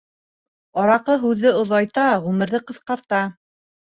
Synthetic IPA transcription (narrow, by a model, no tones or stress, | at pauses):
ɑɾɑqɤɦʉðːɘŏðɑjt̪ɑʁʉmɘ̆ɾðɘqɤ̆θqɑɾt̪ɑ